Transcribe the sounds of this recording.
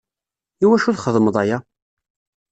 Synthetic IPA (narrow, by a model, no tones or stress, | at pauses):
iwæʃuθχəðˤməðˤæja